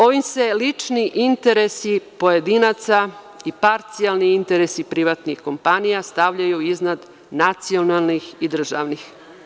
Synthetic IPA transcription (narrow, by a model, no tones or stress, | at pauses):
o̞ʋimse̞lit͡ʂniʔint̪e̞ɾesipo̞jed̪inat̪sa | ipaɾt̪sijalniint̪eɾesipɾiʋat̪nixko̞mpanijast̪aʋʎajuiznad̪ | nat̪sio̞nalˠnixid̪r̩ʒa̰ʋnix